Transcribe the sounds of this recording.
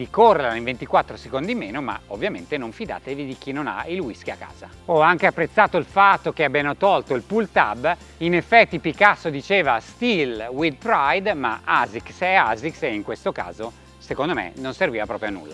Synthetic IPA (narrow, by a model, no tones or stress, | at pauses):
d̪ikorːeɾaiɱvent̪ikwat̪ːɾosekond̪imːeːnoma̰ovːjament̪enoɱfid̪a̰ːt̪evid̪ik̟inona̰ilwiskiakːa̰ːza | ɔaŋkeapːɾet̪sːaːt̪oilfat̪ːok̟eabjanot̪ɔlt̪oilpult̪a̰bː | inefːɛt̪ːipikasːod̪it͡ʃeːvast̪ilwid̪̚pɾajd̪maazikseazikseiŋkwest̪oka̰ːzo | sekond̪omḛnonserviːvapɾɔːpɾjonṵlːa